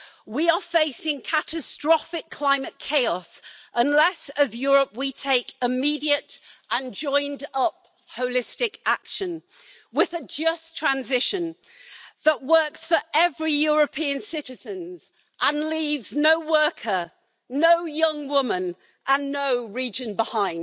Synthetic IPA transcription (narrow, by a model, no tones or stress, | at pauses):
wiəfeɪsɪ̃ŋkʰatəstɹ̥ɒfɪkʰl̥ãɪ̃məʔ̚kʰeɪɒsə̃nlɛsəzjɔːɹəp̚witʰeɪkɪmidiətʔə̃nd͡ʒɔ̃ɪ̃ndʌp̚ | hoʊlɪstɪkakʃə̃n | wɪðəd͡ʒʌstʰɹ̥ãnzɪʃə̃n | ðəʔwɜˑ˞ksfə˞ʔɛvɹijɔɹəpʰĩə̃nsɪɾɪz̥ə̃nz | ʔə̃nliːvznoʊwɜ˞kʰə˞ | noʊjʌ̃ŋwʊmə̃n | ʔə̃nːoʊɹid͡ʒə̃nbɪhãɪ̃nd